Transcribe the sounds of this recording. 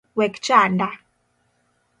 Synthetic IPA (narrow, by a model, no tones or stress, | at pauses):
wɛkt͡ʃanda